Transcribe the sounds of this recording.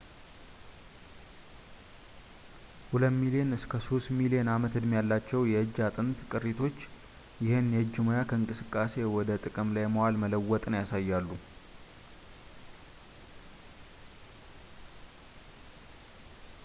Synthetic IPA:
huləmːilienɨskʰəso̞st̪milienamət̪ɨd̪mjalːat͡ʃːɛwjɛɨd͡ʒːat̪ʼɨnt̪kʼɨrːit̪ʰo̞t͡ʃː | jɪhenjɛd͡ʒːɪmojakʰəɨŋkʼɨsɨkʼːase̞wɔd̪ət̪ʼɨkʼɨmlajməwalmələwːɔt̪ʼnəjasajːalːu

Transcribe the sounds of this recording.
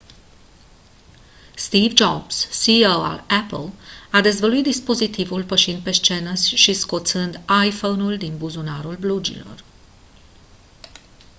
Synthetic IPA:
st̪ivd͡ʒobsːiowa̰lɛpəlad̪e̞zvəluit̪̚d̪ispo̞zit̪ivulpəʃind̪̚pe̞st͡ʃe̞nəsʲʃisko̞t̪sɨnd̪ajfonuld̪inbuzunaɾulblud͡ʒḭlo̞̰r

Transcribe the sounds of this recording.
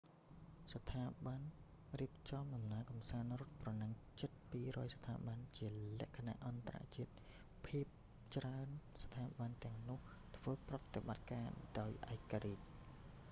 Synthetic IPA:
sɑt̪ʰaːɓan | riəp̚t͡ɕɑmɗɑmnaəkɑmsaːnrʊ̆ət̪̚prɑnɨŋt͡ɕət̪̚piːrɔːjsɑ̥t̪ʰa̰ːɓant͡ɕiəlɛ̆əʔkʰana̰ʔɑnt̪ara̰ʔt͡ɕiət̪̚ | pʰiəp̚ | t͡ɕraənst̪ʰaːɓant̪ɛ̆əŋnʊ̆əh | t̪ʰʋəːprɑt̪ːeɓat̪̚kaːɗaɔjʔaɛkːaɾiːc̚

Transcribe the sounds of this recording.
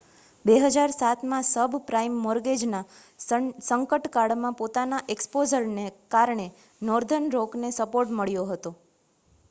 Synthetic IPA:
beɦəd͡ʒaɾsat̪mãsəbʱpɾaimːɔɾɡed͡ʒna | səŋkəʈkaɽmãpot̪anaʔekspozəɾnekaɾɳ̃e | nɔɾd̪ʱənɾoknesəpoɾʈməɭjoɦət̪o

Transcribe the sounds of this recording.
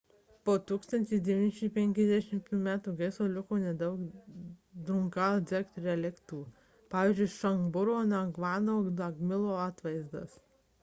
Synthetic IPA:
poːt̪uːkst̪ɐnʲt̪ʲɪsd̪ʲɛʋʲiːnʲɪʃʲɪpʲɛŋʲkʲɛzʲd̪ʲɛʃʲɪmtt̪uːmʲæːt̪uːɡɐɪsoːlʲʊkuːnʲɛd̪ɐʊk | d̪ɾʊŋkɑːd̪zʲɛkt̪ɾʲɛlʲɛkt̪uː | pɑːʋʲiːzʲd͡ʒʲʊɪʃɐŋɡbʊɾoːnɐɡʋɑːnoːnɐɡmʲɪlˠoːɑːt̪ʋɐɪzd̪ɐ̰s

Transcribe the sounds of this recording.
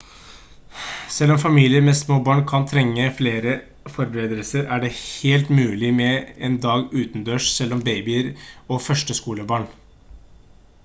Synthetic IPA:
sɛlɔmfɑmiːlɪəɾmɛsmoːbɑːɳkʰɑnt̪ʰɾɛŋːəfleːɾə | fɔɾbəɾeːd̪əlsəɾæɖɛheːlt̪mʉːlɪmɛɛnd̪ɑːɡʉːt̪nd̪øːʂsɛlːɔmbeɪbɪɾɔfœʂʈəskuːləbɑːɳ

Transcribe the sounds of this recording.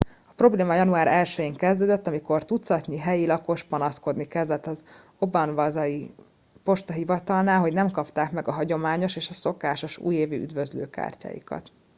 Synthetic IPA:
ɒpro̞bleːmɒjɒnuaːɾɛlʃɛjiːŋkɛzd̪øːd̪øt̪ːɒmiko̞rt̪ut̪sɒt̪niɦɛjilɒko̞ʃpɒnɒsko̞d̪nikɛzd̪ɛt̪ːɒz | o̞bɒnvɒzɒji | po̞ʃt̪ɒɦivɒt̪ɒlnaːlɦo̞ɟnɛmkɒpt̪aːkmɛɡɒɦɒɟo̞maːɲo̞ʃeːʃɒso̞kaːʃo̞ʃṵːjeːvḭy̰d̪vøzlø̰ːka̰ːrca̰ːjḭkɒ̰t̪

